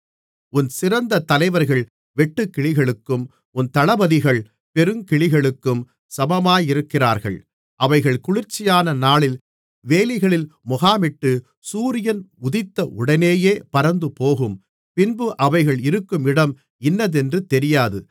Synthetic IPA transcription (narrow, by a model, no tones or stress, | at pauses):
ʊnsɪrɐnd̪ɐt̪ɐlɐɪʋɐɾɣɐɭ | ʋɛʈːɯkːɪɭɪɣɐɭɯkːɯm | ʊnt̪ɐɭɐbɐðɪɣɐɭ | pɛɾɯmkɪɭɪɣɐɭɯkːɯm | sɐbɐmaːjɪɾɯkːɪraːɾɣɐ̰ɭ | ʔɐʋɐɪɣɐɭkʊɻɪɾt͡ʃːɪjaːnɐnaːɭɪl | ʋeːlɪɣɐɭɪlmʊɣaːmɪʈːɯ | suːɾɪjɐnʊðɪt̪ːɐʔʊɽɐneːjeːpɐɾɐnd̪ɯpoːɣɯm | pɪnbɯʔɐʋɐɪɣɐɭɪɾɯkːɯmɪɽɐm | ɪnːɐðɛndrɯt̪ɛɾɪjaːðɯ